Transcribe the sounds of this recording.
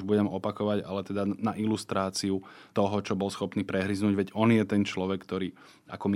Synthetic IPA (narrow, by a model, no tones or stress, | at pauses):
ʒbuɟɛmɔpakɔʋaɟa̰lɛt̪ɛd̪anaʔilust̪ɾaːt͡siut̪ɔɦɔt͡ʃɔbɔlsxɔpniːpɾɛɦɾiznuːɟʋɛɟɔnjɛt̪ɛnt͡ʃlɔʋɛkːt̪ɔɾiː | a̰kɔm